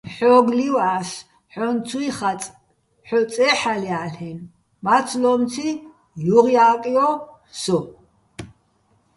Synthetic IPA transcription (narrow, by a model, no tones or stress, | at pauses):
ħɔɡliwas | ħɔnt͡sʰuiχat͡sʼ | ħɔt͡sʼɛħaliaɬɛn | mat͡sʰlɔmt͡sʰi | juʁjaːkʼiɔ | sɔ